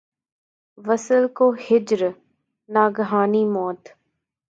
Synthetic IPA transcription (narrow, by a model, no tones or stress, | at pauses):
ʋəsəlkoːhɪd͡ʒɾ | naːɡɦaːniːmɔːt̪